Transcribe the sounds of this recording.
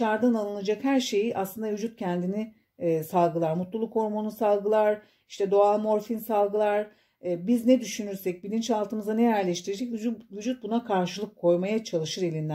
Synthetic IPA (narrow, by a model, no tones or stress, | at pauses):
t͡ʃaɾd̪analˠɯnad͡ʒakhæɾʃe̞jiʔaslˠɯnd̪avyd͡ʒut̪̚cʰɛnd̪ini | salˠɡɯlˠaɾmut̪lˠulˠukʰo̞ɾmonusalˠɡɯlˠaɾ | iʃt̪ʰɛd̪o̞alˠmo̞ɾfinsalˠɡɯlˠaɾ̥ | biznɛd̪yʃynyɾsɛc̚bilʲint͡ʃalˠt̪ʰɯmɯzanɛjæɾlʲɛʃt̪ʰiɾed͡ʒɛcvyd͡ʒut̪̚bunakʰaɾʃɯlˠɯkʰːo̞jmajat͡ʃʰalˠɯʃɯɾelʲind̪ʲæ